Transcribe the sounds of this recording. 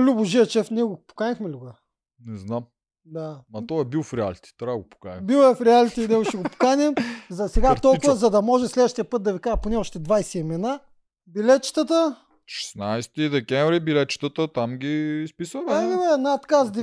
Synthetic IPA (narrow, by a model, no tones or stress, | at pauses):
lʲuboʒiɐt͡ʃɛfniɛɡopo̥kanixmɛlʲuɡə | nɛznam | d̪aɐt̪ɔɛbilˠfɾɛa̰lit̪i̥t̪oɾaɡʊpo̥ka̰nʲibilˠɛfɾɛalit̪inɛɡʊʃɛɡopo̥kanʲɛmzɐsɛɡat̪ɔlˠkuvɐzɐd̪ɐmɔʒɛslɛd̪vəʃt̪ijɐpɤt̪̚d̪ɐvikaʒɛponɛɔʃt̪ɛd̪vajsɛimɛna | bilɛt̪̚t͡ʃi̥t̪ət̪ə | ʃɛ̥snajst̪id̪ɛkʲɛɱvɾibilɛt̪t͡ʃi̥t̪ət̪ət̪amɡʲispisəmɛavɛnat̪kazd̪